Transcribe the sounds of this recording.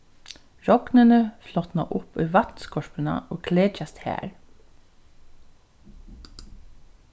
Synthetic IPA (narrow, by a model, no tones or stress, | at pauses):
ɹɔknənəflɔt̪nɑʔʊpʉːʋɑt̪n̩skɔɹpənɑ̰ʔoːkʰleːt͡ʃɑst̪hæ̰ːɹ